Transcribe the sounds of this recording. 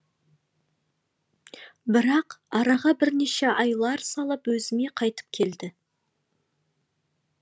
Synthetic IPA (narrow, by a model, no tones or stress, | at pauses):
bɪɾɑqɑɾɑʁɑbɪɾneʃe̞ʔɑjlˠɑɾsɑlˠəpwɵzɪme̞qʰɑjt̪ə̥p̚kʲʰe̞ld̪ɪ